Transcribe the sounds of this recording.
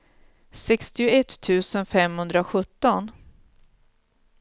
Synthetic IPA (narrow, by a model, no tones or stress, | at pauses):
sɛkst̪ɪʊɛt̪ʰːʉ̟ːsənfɛmhɵnd̪ɾaɧɵt̪ːɔn